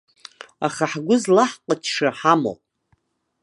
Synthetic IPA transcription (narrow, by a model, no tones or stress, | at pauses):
a̰χaħɡʷʊzlaħqʼət͡ʃʰʂaħamo̰pʼ